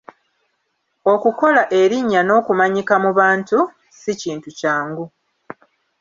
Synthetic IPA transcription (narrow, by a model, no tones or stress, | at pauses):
o̞kuko̞laʔe̞ɾiɲːano̞ːkumaɲikamuβaːntu | siciːntucaːŋɡu